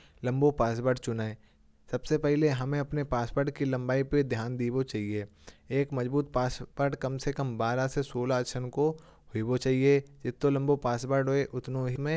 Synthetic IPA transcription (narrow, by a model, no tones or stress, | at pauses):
lɐ̃mbopaːs̬bəɾʈt͡ʃʊnaːe | sɐbsepɛɦleɦɐmẽɐpnepaːspəɾʈkilɐ̃mbaːiped̪ʱjaːnd̪iːbot͡ʃaːɦieː | kmɐzbuːt̪̚paːsbəɾʈkɐmsekɐmbaːɾasesoːlaəʃʰənko | hʊibot͡ʃaːɦied͡ʒɪt̪ːolɐ̃mbopaːsbəɾʈɦoeʔʊt̪nõɦimẽ